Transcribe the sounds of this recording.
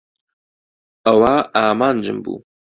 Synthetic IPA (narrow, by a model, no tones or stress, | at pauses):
ɐwaːaːmaːnd͡ʒɨ̰mbṵː